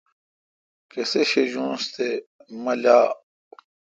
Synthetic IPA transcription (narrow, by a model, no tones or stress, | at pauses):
keseɕeʑũːst̪emɐlaː